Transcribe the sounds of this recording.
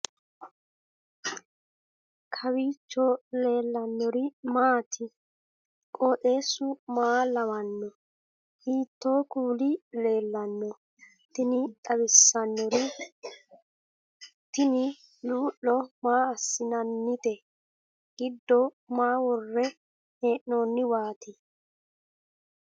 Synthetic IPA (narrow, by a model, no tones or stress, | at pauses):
kʰɐwiːt͡ʃːɔle̞ːlːɐnːɔɾɪmaːt̪ʰɪ | kʼɔːɗe̞ːsʊmaːlɐwɐnːɔ | hiːt̪ːoːkuːlɪle̞ːlːɐnːɔ | t̪ɪnɪt̪ʼɐwɪsːɐnːɔɾɪ | t̪ɪnɪ | luːʔːɔmaːɐsːɪnɐnːɪt̪ɛ | ɡ̥ɪd̪ːɔ | maːwɔrːɛ | eːʔnoːnːɪwaːt̪ɪ